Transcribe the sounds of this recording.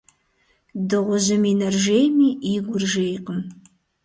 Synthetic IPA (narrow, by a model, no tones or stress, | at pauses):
dɨʁʷʊzɪminɐrʒejmiːiɡʷʊrʒejqəm